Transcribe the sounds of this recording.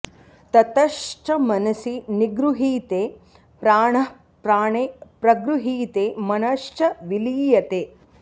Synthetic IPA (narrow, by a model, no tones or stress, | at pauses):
t̪ɐt̪ɐʃt͡ʃɐmɐnɐsiniɡɾuɦiːt̪eː | pɾaːɳɐ | pɾaːɳepɾɐɡɾuɦiːt̪eːmɐnɐʃt͡ʃɐʋiliːjɐt̪eː